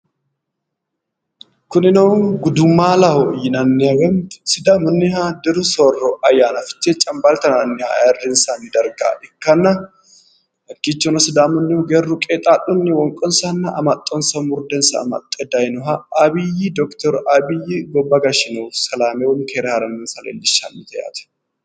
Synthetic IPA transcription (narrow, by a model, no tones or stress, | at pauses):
kʊnɪnoɡʊd̪ʊmːaːlɐhɔjɪnɐnːɪɐɡɐnsɪd̪aːmʊnːɪhad̪ɪɾʊsorːɔʔɐjːaːnɐfɪ̥t̪ːet͡ʃʼːɐmbalt̪ɐnɐnːɪha̰ɛrːɛnsaːnɪd̪ɐɾɡa̰ːʔɛkːɐnːɐ | hɐkːit͡ʃːɔnɐsɪd̪aːmʊnːɪʊɡɛrːʊkʼet̪ʼaːɗʊnːɪwɔŋkʼɔnsɐnːɐʔɐmɐt̪ʼːɔnsɐmʊɾd̪ɛnsɐ̰ːmɐ̰t̪ʼːɛd̪ɐjnɔɦɐɐbɪjid̪ɔkt̪ɔɾabɪjiɡɔbːɐɡɐʃɪnuːfsɐlaːmewɔnkʰeɾɐhɐɾɐnːɪnsɐlḛːlːɪʃa̰nːɪt̪ʰɐja̰ːt̪ɛ̥